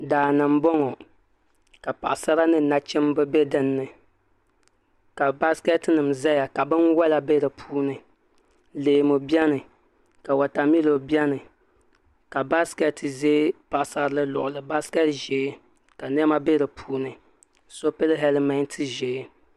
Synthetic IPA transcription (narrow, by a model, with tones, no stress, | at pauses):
daː˨nɨ˨m˦bɔ˦ŋɔ˨ | ka˨pa̰˨ʔsa˦ɾa˦nɨ˦na˦t͡ʃɛ˦mbɨ˦bɛ˦dɨ˦nːɨ˨ | ka˨ba˦skɛ˦tnɨ˨mza˦ja˨ka˨bɨ˦nwa˦la˨be˦ɾɨ˨pʰuː˦nɨ˨ | leː˨mo˨bi˦ɛ˦nɨ˨ | ka˨wa˨ta˨mi˦lo˨bi˦ɛ˦nɨ˨ | ka˨ba˦skɛ˨tɨ˨zeː˦pa˨ʔsa˦lɨ˦lʊ̰˨ʔʊ˨lɨ˨ba˦skɛ˦tʒe˨˦ | ka˨n˦ɛ˦ma˦be˦ɾɨ˨pʰuː˦nɨ˨ | so˦pɛ˦lɦɛ˦lma˦ntʰɨ˦ʒeː˨˦